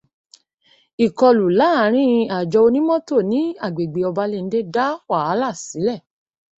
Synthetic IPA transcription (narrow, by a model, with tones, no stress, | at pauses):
i˨kɔ˧lu˨la˨˦˨ɾ̃ĩ˦˧a˨d͡ʒɔ˧o˧nĩ˦mɔ̃˦to˦˨nĩ˨˦a˦˨ɡ͡be˨ɡ͡be˨ɔ˧ba˧le˧n̩˦de˦da˦wa˦˨a˨˦la˦˨si˨˦lɛ˦˨